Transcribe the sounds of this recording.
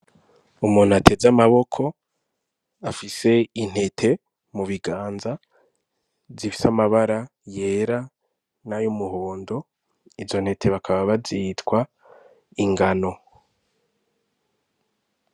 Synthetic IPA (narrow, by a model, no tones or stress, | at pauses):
umuːn̥hatʰe̞zamaβo̞kʰo̞ | afise̞in̥he̞tʰe̞ | muβiɡaːnza | zifi̥samaβaɾaje̞ːɾa | najomuɦoːndo̞ | izo̞n̥he̞tʰe̞βakʰaβaβazitkwa | iŋɡano̞